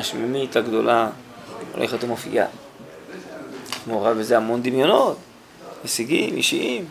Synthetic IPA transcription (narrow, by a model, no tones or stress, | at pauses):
aʃmemit̪aɡd̪o̞la | o̰lʔeχet̪amofḭʔa̰ | noʁavezeamo̞nd̪imjonot̪ | mesiɡimʔiʃiʔim